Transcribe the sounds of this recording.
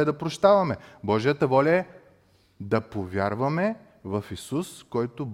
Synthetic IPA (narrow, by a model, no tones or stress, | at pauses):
ɛd̪ɐpɾoʃt̪avɐmɛbɔʒijət̪əvɔlʲɐɛ | d̪ɐpovʲjaɾvɐmɛ | vɐfisuskɔjt̪ʊ